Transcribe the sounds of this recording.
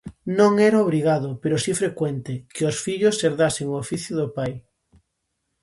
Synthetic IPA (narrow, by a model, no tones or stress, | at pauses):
nõŋeɾaoβ̞ɾiɣ̞aðopeɾosifɾekwent̪ekeosfiʎoseɾðaseŋoofiθjoðopaj